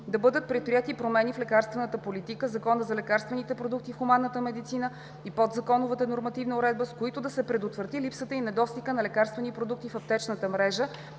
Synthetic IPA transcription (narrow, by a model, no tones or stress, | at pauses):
d̪ɐbɤd̪ət̪̚pɾɛt̪̚pɾijɛt̪ipɾomɛniflɛkaɾst̪vɛnət̪əpolit̪ikəzɐkɔnəzɐlɛkaɾst̪vɛnit̪ɛpɾod̪uk̚t̪ifxʊmanːət̪əmɛd̪it̪sinə | ipod̪zɐkɔnʊvət̪ənoɾmɐt̪ivnəʊɾɛd̪̚bəskoit̪ʊd̪ɐsɛpɾɛd̪ot̪vɾət̪ilipsət̪əinɛd̪ɔst̪ikənɐlɛkaɾst̪vɛnipɾod̪uk̚t̪ifɐp̚t̪ɛt͡ʃnət̪əmɾɛʒə